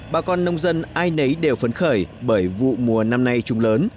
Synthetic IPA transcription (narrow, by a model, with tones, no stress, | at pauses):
ɓa̰ː˨˩kɔ˧nːə˧wŋ͡mzə˧nʔaː˧jnə˨˦jɗe˨˩wfə˨˦nxəː˧˩jɓəː˧˩jvṵ˧˨mu˨˩əna˧mna˧jt͡ɕʊ˨˦ŋ͡mləː˨˦n